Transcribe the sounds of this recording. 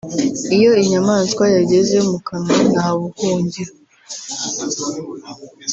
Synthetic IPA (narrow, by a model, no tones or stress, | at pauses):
ijo̞iɲamaːnskwajaɟe̞ze̞mukaŋanaːβukuːɲɟiɾa